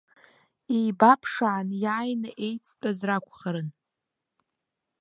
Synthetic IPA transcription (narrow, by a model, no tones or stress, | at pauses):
ijbapʰʂaʕːnjaːjnaʔe̞jt͡sʰʼt͡pʼazrakʷʰʼχəɾɨn